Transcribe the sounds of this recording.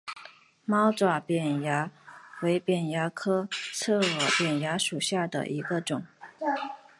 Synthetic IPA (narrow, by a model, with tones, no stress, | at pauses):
mɑ˥ʊt͡swa˨˩pjɛ˨˩nja˧˥we˧˥ɪpjɛ˨˩nja˧˥kʰɤ˥t͡sʰɤ˥˩ɤ˨˧˩pjɛ˨˩nja˧˥ʂu˨˩ɕja˥˩d̪ə̰˩ʔi˧˥ɡə˧ʈ͡ʂʊ˨˩˦ŋ